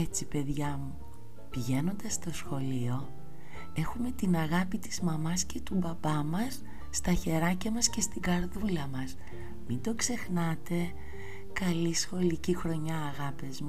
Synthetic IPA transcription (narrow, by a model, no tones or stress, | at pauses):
e̞t͡sipe̞ðʝɐmu | piʝe̞no̞nd̪ɐst̪o̞sxo̞lio̞ | e̞xume̞t̪inɐɣɐpit̪i̥zmɐmɐsce̞t̪ubɐbɐmɐsː | t̪ɐçe̞ɾɐcɐmɐsce̞st̪iɡɐɾðulɐmɐs | mind̪o̞kse̞xnɐt̪e̞ | kɐlisxo̞licixɾo̞ɲɐːɣɐpezmu